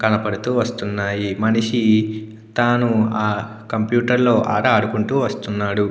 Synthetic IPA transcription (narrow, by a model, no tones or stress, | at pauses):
kɐnɐpɐɽut̪uːʋɐst̪unːaːjimɐniʂi | t̪aːnuaː | kɐmpjuːʈɐɾlo̞ːʔa̰ːʈɐɐɽukuɳʈuːʋɐst̪unːaːɽu